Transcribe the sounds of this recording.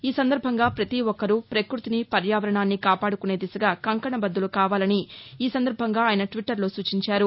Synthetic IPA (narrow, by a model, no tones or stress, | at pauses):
iːsɐnd̪ɐɾbʱɐŋɡaːpɾɐt̪iʋɔkːɐɾupɾekɾut̪inipɐɾjaːʋɐɾɐɳaːnːikaːpaːɽukune̞ːd̪isɐɡaːkɐŋkɐɳɐbɐd̪ːulukaːʋaːlɐniːsɐnd̪ɐɾbʱɐŋɡaːaːjɐnɐʈʋiʈːɐɾlo̞ːsuːt͡ʃiɲt͡ʃaːɾu